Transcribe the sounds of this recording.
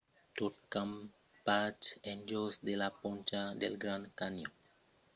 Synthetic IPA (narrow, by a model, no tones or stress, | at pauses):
t̪ot̚kãm | pat͡ʃɛ̃nd͡ʒosd̪elapɔ̃nt͡ʃad̪elɡɾãnkanjo